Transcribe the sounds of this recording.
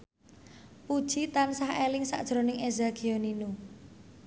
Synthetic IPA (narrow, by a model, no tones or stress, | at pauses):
pud̥ʒ̥it̪ansaɦelɪŋsa̰ʔd̥ʒ̥ɾo̤nɪŋezaɡ̥ioninu